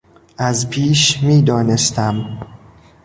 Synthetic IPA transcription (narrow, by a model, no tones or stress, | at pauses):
ʔæzpʰiːʃmiːd̪ɒːnest̪æm